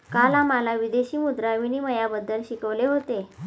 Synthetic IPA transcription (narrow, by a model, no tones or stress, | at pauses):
kalamalaʋid̪eɕiːmud̪ɾaʋiniːməjabəd̪ʱːəlɕikəʋleɦot̪e